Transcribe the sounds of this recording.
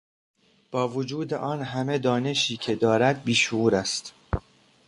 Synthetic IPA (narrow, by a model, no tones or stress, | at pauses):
b̥ɒːvod͡ʒuːd̪e̞̰ʔɒːnɦæme̞d̪ɒːne̞ʃiːcʰe̞d̪ɒːɾæd̪̚biːʃouːɾæst̪